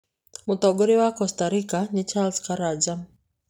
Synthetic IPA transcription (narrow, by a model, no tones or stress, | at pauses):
mut̪ɔɡɔɾiwakɔst̪aɾikaɲit͡ʃalskaɾad͡ʒa